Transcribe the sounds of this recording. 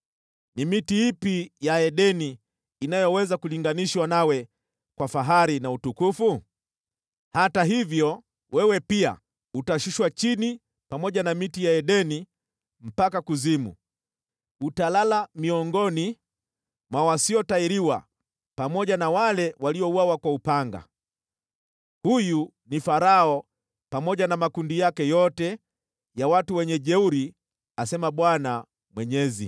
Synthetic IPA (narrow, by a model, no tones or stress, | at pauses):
nimitiipijaɛɗɛniː | najɔwɛzakuliŋɡaniʃwanawɛ | kwafaɦaɾinautukufu | hataɦivjɔ | wɛwɛpia̰ | utaʃuʃwat͡ʃini | pamɔʄanamitijaɛɗɛni | m̩pakakuzimṵ | utalalamiɔŋɡɔni | mwawasiɔtaiɾiwa̰ | pamɔʄanawalɛwaliɔuwawakwaupaŋɡa̰ | huju | nifaɾaɔ | pamɔʄanamakundijakɛjɔtɛ | jawatuwɛɲɛʄɛuɾi | asɛmaɓwana | mwɛɲɛzḭ